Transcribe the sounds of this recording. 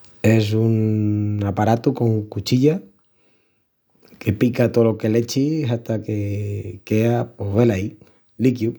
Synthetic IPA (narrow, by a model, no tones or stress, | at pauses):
es̬unapaɾat̪uko̞ŋkut͡ʃiʎa | ke̞pikat̪oloke̞let͡ʃiɦat̪akekeapoβelai | likju